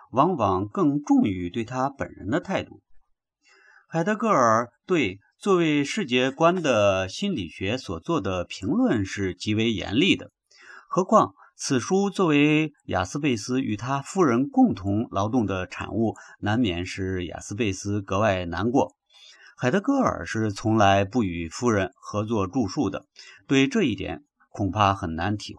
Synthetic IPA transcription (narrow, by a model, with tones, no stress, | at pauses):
wɑ˧˥ŋwɑ˧˩ŋkɤ˥˧ŋʈ͡ʂʊ˥˧ŋy˧˥t̪we˥˩ɪt̪ʰa˥pə̰˨˩nɻə̰˧˥nd̪ə˧t̪ʰa˥˧ɪt̪u˥˩ | xa˨˩ɪd̪ɤ˧˥kɤ˥˩ə˞˨˩t̪we˥˧ɪ | t͡swɔ˥˧we˥˧ɪʂɻ̩˥˧t͡ɕjɛ˥˩kwa˥nd̪ə˨˩ɕi˥nli˨˩ɕɥɛ˧˥swɔ˨˩t͡swɔ˥˩d̪ə˩pʰi˧˥ŋlwə˥˧nʂɻ̩˥˩t͡ɕi˧˥we˧˥ɪjɛ̰˧˥nli˥˩d̪ə̰˩ | xɤ˧˥kʰwɑ˥˩ŋ | t͡sʰɹ̩˨˩ʂu˥t͡swɔ˥˩we˧˥ɪja̰˨˩sɹ̩˥p̬e˥˩ɪsɹ̩˥y˨˩t̪ʰa˥fu˥ɻə˧˥nkʊ˥˩ŋt̪ʰʊ˧˥ŋlʔɑ˧˥ʊt̪ʊ˥˩ŋd̪ə˩ʈ͡ʂʰa̰˨˩nu˥˩na˧˥nmjɛ̰˨˩nʂɻ̩˥˩ja̰˨˩sɹ̩˥p̬e˥˩ɪsɹ̩˥kɤ˧˥wa˥˩ɪna̰˧˥nkwɔ̰˧˥˩ | xa˨˩ɪt̪ə˧˥kɤ˥ə̰˞˨˩ʂɻ̩˥˩t͡sʰʊ˧˥ŋla˧˥ɪpu˥˩y˨˩fu˥ɻə˧˥nxɤ˧˥t͡swɔ˥˧ʈ͡ʂu˥˧ʂu˥˩d̪ə̰˩t̪we˥˧ɪʈ͡ʂɤ˥˧i˥˩t̪jɛ̰˨˩˦n | kʰʊ˨˩ŋpʰa˥˩xə˨˩nna˧˥nt̪ʰi˧˥